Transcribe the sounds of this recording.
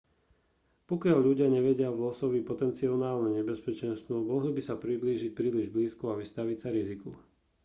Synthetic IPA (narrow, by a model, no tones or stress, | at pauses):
pɔkɪaʎʎuɟɪaɲɛʋɛɟɪaʋlɔsɔʋipɔt̪ɛnt͡siɔnaːlnɛɲɛbɛspɛt͡ʃɛnst̪ʋɔmɔɦlibisapɾid̪liːʒic̚pɾiːliʒbliːskuaʋist̪aʋicsaɾiziku